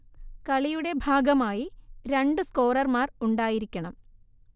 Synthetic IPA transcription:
kɐɭijuɽe̞bʱaːɡɐmaːjiɾeɳɖɨsko̞ːrɐrmaːruɳɖaːjiɾikʲːɐɳɐm

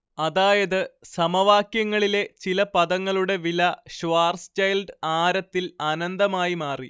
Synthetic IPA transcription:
ɐðaːjɐðɨsɐmɐʋaːkjɐŋːɐɭile̞t͡ɕilɐpɐðɐŋːɐɭuɽe̞ʋilɐɕʋaːrst͡ɕɐjlɖaːɾɐt̪ːilɐnɐnd̪ɐmaːjimaːri

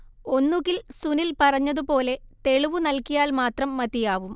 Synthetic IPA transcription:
o̞nːuɣilsunilpɐrɐɲːɐðupo̞ːle̞t̪e̞ɭuʋunɐlkijaːlmaːt̪rɐmːɐðijaːʋum

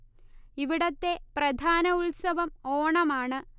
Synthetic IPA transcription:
iʋiɽɐt̪ːe̞prɐd̪ʱaːnɐulsɐʋɐmoːɳɐmaːɳɨ

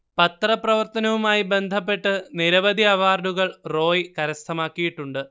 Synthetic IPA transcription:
pɐt̪rɐprɐʋɐrt̪ɐnɐʋumaːjibe̞nd̪ʱɐpːe̞ʈːɨniɾɐʋɐd̪ʱiɐʋaːrɖuɣɐɭro̞ːjkɐɾɐst̪ʰɐmaːkːijiʈːuɳɖɨ

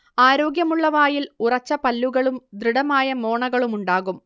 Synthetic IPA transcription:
aːɾo̞ːɡjɐmuɭːɐʋaːjilurɐt͡ɕːɐpɐlːuɣɐɭumd̪riɽɐmaːjɐmoːɳɐɣɐɭumuɳɖaːɣum

